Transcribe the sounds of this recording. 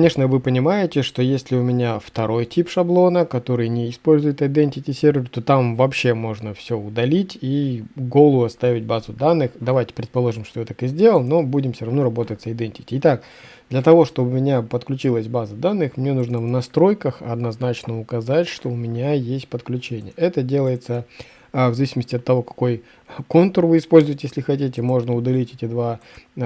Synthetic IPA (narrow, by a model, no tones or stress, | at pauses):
knʲe̞ʂnəvɨpənʲɪmajɪtʲɪʂt̪o̞jesʲlʲɪʊmʲɪnʲaft̪ɐɾo̞jtʲipʂɐblˠo̞nəkɐt̪o̞ɾɨjnʲɪɪspo̞lʲzʊjɪt̪ɐɪd̪enʲtʲɪtʲɪsʲerʲvʲɪrt̪ot̪amvɐpɕːe̞mo̞ʐnəfsʲɵʊd̪ɐlʲitʲiɡo̞lˠəvɐst̪avʲɪt̚ʲbazʊd̪anːɨxd̪ɐvajtʲɪ̥pɾʲɪt̪pɐlˠo̞ʐɨmʂt̪ojat̪akɨzʲdʲe̞lˠəlˠno̞budʲɪmfsʲoɾɐvno̞ɾɐbo̞t̪ətʲsəɪd̪enʲtʲɪ̥tʲɪɪt̪ak̚ | d̪lʲət̪ɐvo̞ʂt̪o̞bɨʊmʲɪnʲapət̪klʲʉt͡ɕilˠəsʲbazəd̪anːɨxmnʲe̞nuʐnəvnɐst̪ɾo̞jkəxɐ̰d̪nɐznat͡ɕnəʊkɐzatʲʂt̪o̞ʊmʲɪnʲajesʲt̚ʲpət̪klʲʉt͡ɕenʲɪjəɛt̪ədʲe̞lˠəjɪt̪sə | vzɐvisʲɪməsʲtʲɪɐt̪ːɐvo̞kɐ̥ko̞j | ko̞nt̪ərvɨɪspo̞lʲzʊvətʲjesʲlʲɪxɐtʲitʲɪmo̞ʐnəʊd̪ɐlʲitʲetʲɪd̪va